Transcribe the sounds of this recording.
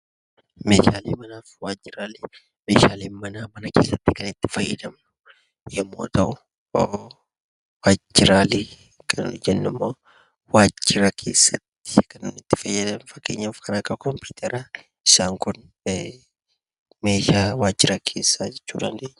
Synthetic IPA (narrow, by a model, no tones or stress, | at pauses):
me̞ːʃaːlḛːmɐnaːfwaːd͡ʒːɪɾaːle | meːʃaːleːnmɐnaːmɐnɐke̞ːsːɐt̪ːɪkɐnɪt̪ːɪ̥fɐjːɐd̪ɐmʊ | jɛmːo̰ːt̪ɐʔʊ | o | waːd͡ʒːɪɾaːleː | kʰɐd͡ʒɛnːʊmːoː | waːd͡ʒːɪɾɐkʰe̞̰ːsːɐt̪ːɪ̥kɐnɪt̪ːɪ̥fɐjːɐd̪ɐmfɐkːe̞ːɲːɐfkʰɐnaːkʼɐbkɔmpuːt̪ʰɛɾa | ɪsaːŋkʊn | me̞ːʃaːwaːd͡ʒːɪɾɐkʰe̞ːsːad͡ʒɛt͡ʃːuːd̪ɐnd̪eːɲː